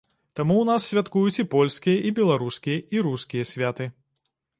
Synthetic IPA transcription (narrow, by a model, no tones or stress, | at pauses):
t̪amuwnasːʲvʲat̪kujut͡sʲipɔlʲskʲijɐʔibʲɛlˠaɾuskʲijɐʔiɾuskʲijɐsʲvʲat̪ɨ